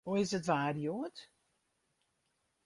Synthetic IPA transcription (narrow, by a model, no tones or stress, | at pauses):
oɪsətʋaːrjoːət